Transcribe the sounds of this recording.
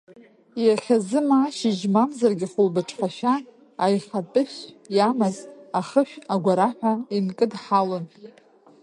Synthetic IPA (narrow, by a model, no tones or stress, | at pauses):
jaχʲazɨmaːʃɪʒmamzarɡʲɪχʊlbɨʈ͡ʂʰʼχʷaʃᶣaː | jχapʼɨʃjamazaχəʃᶣaɡʷaɾaħʷᶣainkʼɨdħalɨn